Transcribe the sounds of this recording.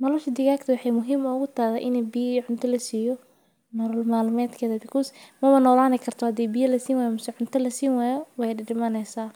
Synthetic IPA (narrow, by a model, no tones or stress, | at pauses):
nɔlɔʃɐd̪ɪɣaːɡt̪ʰɐwɑħɑjmʊɦiːmɐʊɣʊt̪ʰaːðɐʔɪnɛbiʕʊnt̪ʰɐlɐsiːjɔ | nɔɾɔlmaːlmɛːd̪kʰɐðɐbɪkʰuːsmɐmɐnɔːlaːnɪkʰɐrt̪ʰɔhɐd̪iːbijɐlɐsiːwaːjmʊsɛʕʊnt̪ʰɐlɐsiːnwaːjɔwɛjɖɪɖɪmɐnɛjsaː